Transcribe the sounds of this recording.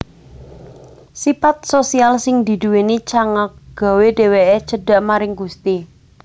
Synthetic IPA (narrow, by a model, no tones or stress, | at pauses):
sifat̪̚sosialsɪŋd̪i̤d̪ṳwenit͡ʃaŋak̚ɡ̥a̤wedeweʔet͡ʃəɖ̥a̤ʔmaɾɪŋɡust̪i